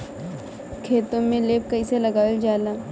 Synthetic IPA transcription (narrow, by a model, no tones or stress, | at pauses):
kʰeːt̪õmẽleːp̚kɐiselɐɡaːld͡ʒaːlaː